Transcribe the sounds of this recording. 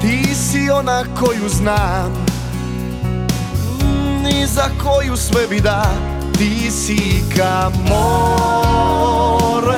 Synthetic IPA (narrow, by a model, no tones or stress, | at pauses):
t̪isionakojuznaː | nizakojusʋɛbid̪a | t̪isikamo | ɾ